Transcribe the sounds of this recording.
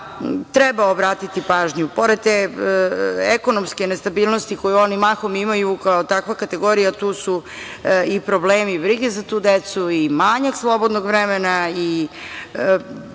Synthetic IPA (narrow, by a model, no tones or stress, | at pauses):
t̪ɾebaobɾaːt̪it̪ipaːʒɲupo̞ɾe̞d̪̚t̪e | eko̞nomskenest̪abiːlˠnost̪iko̞juo̞nimaxomimajukaot̪akʋakat̪e̞ɡo̞ɾijat̪uːsu | ipɾobleːmibɾiɡezat̪uːd̪et̪suimaɲakslˠo̞bod̪noɡʋɾemenai